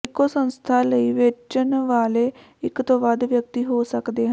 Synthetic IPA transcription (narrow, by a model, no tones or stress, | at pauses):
ɪkːoːsənst̪ʰaːləiːʋet͡ʃənʋaːleː | ɪkt̪õːʋəd̪ʋjək̚t̪iːɦoːsəkd̪eːɦə